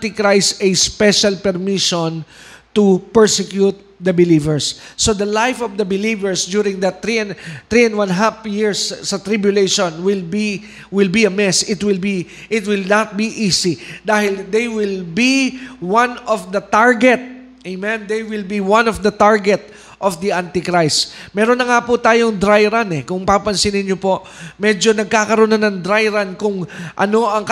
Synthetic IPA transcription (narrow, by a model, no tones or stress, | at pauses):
t̪ɪkɾajsɛspɛʃalpɛɾmiʃɔnt̪upɛɹsɛkjut̪̚d̪ɐbɪlivɛɹsːod̪ɐlajfɔfd̪ɐbɪlivɛɹsd̪juɾɪ̃ŋd̪ɐt̪ɾint̪ɾiɛ̃nd̪wãnɦafjɪɹssɐt̪ɾibjʊlejʃɔ̃nwɪlbi | wɪlbiɐmɛsɪt̪wɪlbi | ʔɪt̪̚wɪlnat̪̚biʔisid̪aːhɪld̪ɛjwɪlbiwãnɔfd̪ɐt̪aɹɡɛt̪̚ | ejmɛ̃nd̪ɛjwɪlbiwanɔfd̪ɐt̪aɹɡɛt̪̚ | ʔɔfd̪iʔant̪ɪkɾajsmɛːɾonːɐŋapʊt̪aːjoŋd̪ɾajɾanɛkʊŋpapɐnsɪnɪɲjopo̞ʔ | mɛd͡ʒo̞nɐɡ̚kaːkɐɾonanɐŋd̪ɾajɾankʊŋʔɐ̰no̞ʔɐŋk